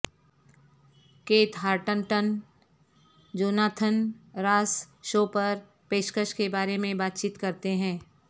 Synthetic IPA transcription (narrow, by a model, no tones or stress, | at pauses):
keːt̪ɦaːɾʈənʈən | d͡ʒoːnaːt̪ʰənɾaːs | ʃoːpɐɾ | peːʃkəʃkebaːɾemẽbaːt̪̚t͡ʃiːt̪kɐɾt̪eɦɛ̃ː